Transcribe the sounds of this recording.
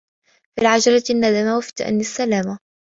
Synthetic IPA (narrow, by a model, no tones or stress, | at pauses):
filʕad͡ʒɑɾɑnːad̪amawaft̪ʔa̰nːɪsːalaːma